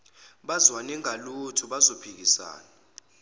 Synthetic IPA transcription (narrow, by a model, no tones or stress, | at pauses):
ɓazwaniŋalutʰuɓazopʰik̬isa̰ːna